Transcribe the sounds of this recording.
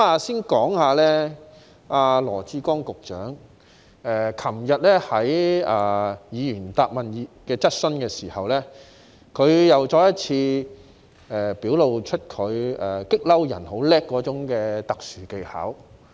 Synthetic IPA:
aː˧siː˥nkɔː˨˥ŋhaː˨˧lɛː˥ | aː˧lɔː˨˩t͡siː˧˥kɔː˥ŋkʊ˨k̚t͡ʃœː˨˥ŋ | ɛ˨˧kʰɐ˨˩mjɐ˨t̚lɛː˥hɐ˨˥jaː˨˧jiː˨˧jyː˨˩nt̪aː˧p̚mɐ˨nji˨˧kɛː˧t͡sɐ˥t̚sɵ˥nkɛː˧siː˨˩hɐ˨wlɛː˥ | kʰɵ˨˧ɥjɐ˨wt͡ʃɔː˧jɐ˥t̚t͡sʰiː˧ | ɛː˨piː˨˥wlo˨wt͡ʃʰɵ˥t̚kʰɵ˨˧ɥɛ˨˩kɪ˥k̚lɐ˥wjɐ̰˨˩nho˨˥wlɛː˥kːɔː˨˧˥t͡sʊ˨˥ŋkɛː˧t̪ɐ˨k̚syː˨˩ke˧jha̰ː˨˥w

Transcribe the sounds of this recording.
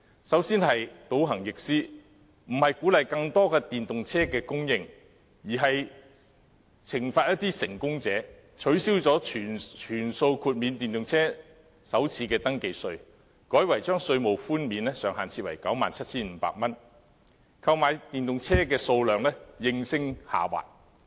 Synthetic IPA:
sɐ˨˥wsiː˥nhɐ˨jt̪o˨˥wɦɐ˨˩ŋjɪ˨k̚siː˥ | m̩˨˩hɐ˨jkuː˨˥lɐ˨jkɐ˧ŋt̪ɔː˥kɛː˧t̪iː˨nt̪ʊ˨ŋt͡sʰɛː˥kɛː˧kʊ˥ŋjɪ˧ŋ | jiː˨˩ɦɐ˨j | t͡sʰɪ˨˩ŋfaː˧t̚jɐ˥t̪̚iː˥sɪ˨˩ŋkʊ˥ŋt͡sɛː˨˥ | t͡ʃʰɵ˨˥ɥsiː˥wt͡sɔː˨˥yː˨˩nt͡ʃʰyː˨˩nso˧wkʰuː˧t̚miː˨˧nt̪iː˨nt̪ʊ˨ŋt͡sʰɛː˥ | sɐ˨˥wt͡sʰiː˨˧˥kɛː˧t̪ɐ˥ŋke˧jsɵ˧ɥ | kɔː˨˥jwɐ˨˩jt͡ʃœː˥ŋsɵ˧ɥmo˨˩wfuː˥nmiː˨˧nlɛ˥sœː˨ŋɦaː˨nt͡sʰiː˧wɐ̰˨˩jkɐ˨˥wmaː˨nt͡sʰɐ˥t̚t͡sʰiː˥nm̩˨˧˥pa̰ː˧k̚mɐ˥n | kʰɐ˧wmaː˨˧jt̪iː˨nt̪ʊ˨ŋt͡sʰɛː˥kɛː˧so˧wlœː˨ŋlɛ˥jɪ˧ŋsɪ˥ŋha̰ː˨˩wa̰ː˨t̚

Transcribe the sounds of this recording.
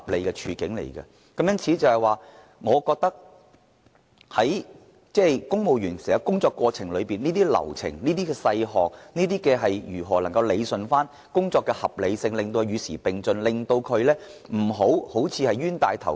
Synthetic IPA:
p̚le˨˧jkɛ˧t͡ʃʰyː˨˧kɪ˨˥ŋlḛ˨˩jkɐ̰˧ | kɐ˨˥mjɐ˥nt͡sʰiː˨˥t͡sɐ˨˩hɐ˨jwaː˨˩ | ŋɔː˨˧kɔː˧k̚t̪ɐ˥k̚ | hɐ˨˥j | t͡sɛː˥˩kʊ˥ŋmo˨˧wjyː˨˩nsɛː˨˩hɐ˨˧kʊ˥ŋt͡sɔː˧kːwɔː˧t͡sʰɪ˨˩ŋlɵ˨˧ɥpiː˨niː˥t̪iː˥lɐ̰˨˩wt͡sʰɪ̰˨˩ŋniː˥t̪iː˥kɛ˧sɐ˧jɦɔː˨k̚niː˥t̪iː˥kɛː˧ɦɐ˨jjyː˨˩ɦɔː˨˩lɐ˨˩ŋkɐ˧wle˨˧jsɵ˨nfaː˥n | kʊ˥ŋt͡sɔː˧kːɛː˧hɐ˨p̚le˨˧jsɪ˧ŋlɪ˨˩ŋt̪o˧ɥyː˨˧siː˨˩pɪ˨ŋt͡snlɪ˨ŋt̪o˧wkʰɵ˨˧ɥlɛː˥m̩˨˩ɦo˨˥who˨˥wt͡sʰiː˨˧hɐ˨jɥyː˥nt̪a̰ː˧jt̪ʰɐ˨˩w

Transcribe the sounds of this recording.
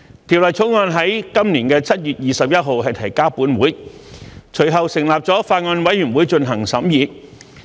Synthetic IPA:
t̪ʰiː˨˩wlɐ˨˩jt͡ʃʰo˨˥wŋɔː˧nɦɐ˨˥jkɐ˥mniː˨˩nkɛː˧t͡sʰɐ˥t̚jyː˨˩t̚jiː˨˧sɐ˨p̚jɐ˥t̚ɦo˨wɦɐ˨jt̪ʰɐ˨˩jkaː˥puː˨˥nwuː˨˥j | t͡ʃʰɵ˨˩ɥɦɐ˨wsɪ˨˩ŋlaː˨p̚t͡sɔː˨˥faː˧t̚ŋɔː˧nwɐ˨˥jyː˨˩nwu˨˥jt͡sɵ˧nɦɐ˨˩ŋsɐ˨˥mjiː˨˧

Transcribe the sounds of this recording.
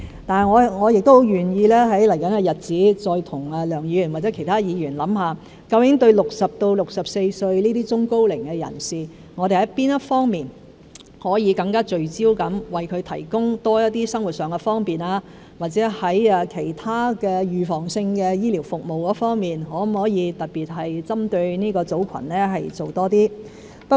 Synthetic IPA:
t̪aː˨n˨˩ŋɔː˨˧ŋɔː˨˧jɪ˨k̚t̪o˥ho˨˧˥wjɥyː˨˩njiː˧lɛː˥ɦɐ˨˥jlɐ˨˩jkɐ˨˥nkɛ˧jɐ˨t̚t͡siː˨˥t͡ʃɔː˧jt̪ʰʊ˨˩ŋɐ˨˧lœː˨˩ŋjiː˨˧jy˨˩nwa˨tt͡sɛ˨˥kʰjt̪ʰaː˥jiː˨˧jyː˨˩nlɐ˨˥mhaː˨ | kɐ˧wjɪ˨˥ŋt̪ɵ˧ɥlʊ˨k̚sɐ˨p̚t̪o˧wlʊ˨k̚sɐ˨p̚se˧jsɵ˧ɥniː˥t̪iː˥t͡sʊ˥ŋko˥wlɪ˨˩ŋkɛ˧jɐ̰˨˩nsiː˨ | ŋɔː˨˧ɾe˨jhɐ˨˥jpiː˥njɐ˥tfɔː˥ŋmiː˨n | hɔː˨˥jiː˨˧kɐ˧ŋkaː˥t͡ʃɵ˧ɥt͡siː˥wkɐ˨˥mwɐ˨jkʰɵ˨˧ɥt̪ʰɐ˨˩jkʊ˥ŋt̪ɔː˥jɐ˥t̚t̪iː˥sɐ˥ŋwu˨t̚sœː˨ŋɛ˧fɔː˥ŋpiː˨˩naː˧ | waː˨t̚t͡sɛː˨˥hɐ˨˥jɐː˧kʰe˨˩jt̪ʰaː˥kɛː˧jyː˨fɔː˨˩ŋsɪ˧ŋkɛː˧jiː˥liː˨˩wfʊ˨k̚mo˨wkɔː˨˧˥fɔː˥ŋmiː˨nɦɔː˨˥hɔː˨˥jiː˨˧t̪ɐ˨t̚piː˨˩t̚ɦɐ˨jt͡sɐ˥mt̪ɵ˧ɥniː˥kɔː˧t͡so˨˥wkʰɐ̰˨˩nlɛː˥ɦɐ˨jt͡so˨wt̪ɔː˥t̪iː˥ | pɐ˥

